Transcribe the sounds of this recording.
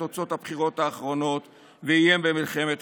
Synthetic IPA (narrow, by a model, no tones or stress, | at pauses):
ot͡so̞t̪habχiʁo̞t̪aːχʁo̞no̞t̪ | veijembemilχemet̪